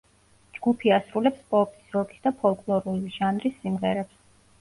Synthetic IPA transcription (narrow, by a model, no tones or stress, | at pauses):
d͡ʒɡupʰiasɾulɛpspʼɔpʼi̥sɾɔɡʼi̥sd̪apʰɔlˠkʼlˠɔɾuliʒanɾisːimʁɛɾɛps